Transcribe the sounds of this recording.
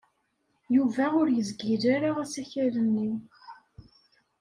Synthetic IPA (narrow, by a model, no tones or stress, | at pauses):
juvæʊɾjəzɡiðaɾaʁæsæçæɾənːiw